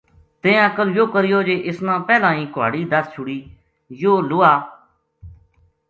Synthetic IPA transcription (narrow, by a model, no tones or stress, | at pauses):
t̪ẽːəkəljoːkəɾɪjoːd͡ʒeːʔɪsnãːpɛːlãːĩːkʊa̰ːɽiːd̪əst͡ʃʰʊɽiː | joːlʊːaː